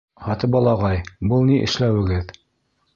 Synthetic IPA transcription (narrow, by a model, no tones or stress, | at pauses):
hɑt̪ɤpɑlˠɑʁɑjbɤlˠniʔɘ̰̆ʃlæwɘ̆ɡɘð